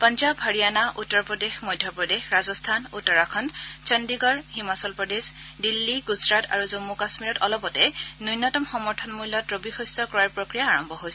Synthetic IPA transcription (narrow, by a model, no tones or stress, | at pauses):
pɔnzabɦaɹijanaʔutːɔɹpɹɔdexmɔjdʱjɔpɹɔdexɹazɔstʰanutːɔɹakʰɔnt͡ʃɔndiɡɔɹhimasɔlpɹɔdes | dilːiɡuzɹata̰ɹuzomːukasmiɹɔtɔlɔpɔtɛnujnːɔtɔmxɔmɔɹtʰɔnmujlːɔtɹobixɔjstɔkɔaɹpɹokɹijaːɹɔmbʱɔɦojsɛ